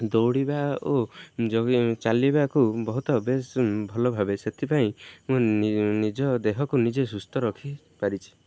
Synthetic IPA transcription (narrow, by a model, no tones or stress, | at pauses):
d̪owɽibaod͡ʒɔt͡ʃalibakubɔɦut̪ɔbesbʱɔlɔbʱabeset̪ʰipaĩmũnid͡ʒɔd̪eɦɔkunid͡ʒes̬ust̪ɔɾɔkʰi | paɾit͡ʃʰi̥